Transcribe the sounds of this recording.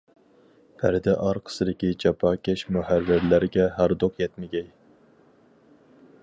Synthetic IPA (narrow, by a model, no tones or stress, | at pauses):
pʰæɾd̪ɛʔɑɾqʰə̥sɨd̪ɪkʲid͡ʒɑpʰɑːkʲɛʃmuhæɾːɪɾlæɾɪɡʲɛɦæɾd̪oqjɛt̪mɪɡʲɛj